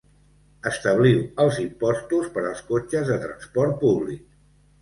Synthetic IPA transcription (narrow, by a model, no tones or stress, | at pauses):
əst̪əβ̞liwəlˠzimpɔst̪uspəɾəlˠskot͡ʃəzðət̪ɾə̰nspɔɾt̪̚puβlik̚